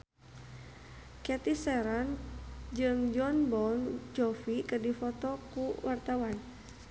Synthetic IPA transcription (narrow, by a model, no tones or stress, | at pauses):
kɛt̪isɛɾɔnd͡ʒɨŋd͡ʒɔnbɔnd͡ʒɔfikɨrdifɔt̪ɔkuwart̪awan